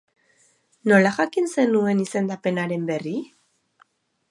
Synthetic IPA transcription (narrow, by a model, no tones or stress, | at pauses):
no̞laʝakinse̞nue̞nise̞nd̪ape̞naɾe̞mbe̞ri